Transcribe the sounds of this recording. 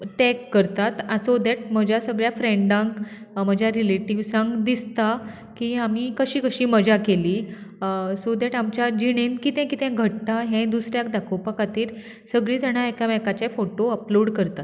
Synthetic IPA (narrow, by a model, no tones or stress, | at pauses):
ʈɛ̃kːəɾt̪at̪at͡sod̪ɛʈ̚məd͡ʑasəɡɭjafɾẽɳɖãŋk | m̤əd͡ʑʱjaɾileʈiʋsãŋɡd̪ist̪a | kiamiːkəɕiːkəɕiːməd͡ʑakeliː | sod̪ɛʈamt͡ɕad͡ʑiɽ̃enkit̪ɛ̃kit̪ɛ̃ɡʱəʈt̪aɦɛ̃d̪usɾjakd̪akʰopəkʰat̪iːɾ | səɡɭiːd͡zaɽ̃aekaʋɛkat͡ɕefoʈoəploɽkəɾt̪at̪